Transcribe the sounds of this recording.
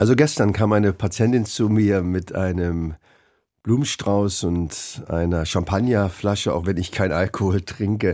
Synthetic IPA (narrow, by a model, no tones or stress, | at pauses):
ʔalzoɡɛstɐnkʰaːmʔaɪnəpʰat͡sjɛntɪnt͡sumiːɐmɪtʔa̰ɪnəm | b̥luːmnʃtʁ̥aʊsʊntʔa̰ɪnɐʃampʰanjaflaʃəa̰ʊxvɛnɪçkʰaɪnʔalkʰohoːltʁ̥ɪŋkə